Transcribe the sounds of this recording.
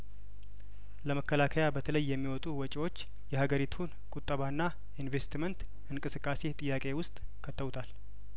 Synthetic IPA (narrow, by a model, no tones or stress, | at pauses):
ləməkːəlakʰəjabət̪ʰələjːɛmːiwɔt̪ʼuwɔt͡ʃʼiwo̞t͡ʃː | jɛhaɡəɾit̪ʰun | kʼut̪ʼːəβanːa | inve̞st̪mənt̪ | ɨŋkʼɨsɨkʼːase̞t̪ʼɨjːakʼe̞wʊst̪ʼkʰət̪ʰːəβut̪ʰal